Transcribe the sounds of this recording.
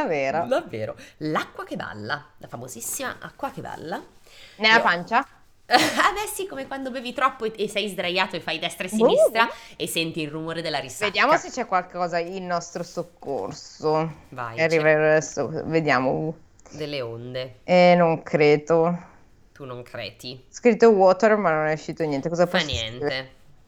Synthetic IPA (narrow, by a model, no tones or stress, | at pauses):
d̪aveːɾod̪avːḛːɾolakːwakeba̰lːalafamozisːima̰ʔa̰kːwakeba̰lːa | nelːapant͡ʃa | ad̪ɛsːikomekwand̪obɛːvit̪ɾɔpːoesːɛjzd̪ɾajaːt̪oefːajd̪ɛst̪ɾaessinist̪ɾaesːɛnt̪iːlrumoːɾed̪elːaɾisːvaed̪jaːmoset͡ʃːɛkwalkekɔːzailnɔst̪ɾosokːo̰rsova̰jarːivaead̪ɛsːokɔ̰ved̪jaːmo̰ | d̪elːeond̪eɛnoŋkʰɾeːd̪o | t̪unoŋkʰɾɛ̰ːt̪iskɾit̪ːowɔt̪ermanːonɛuʃːiːt̪onjɛnt̪ekɔzapɔnɛntie